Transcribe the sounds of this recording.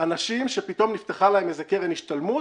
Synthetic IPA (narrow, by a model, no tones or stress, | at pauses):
anaʃimʃepit̪o̞mnift̪eχalaemezekeʁeniʃt̪almu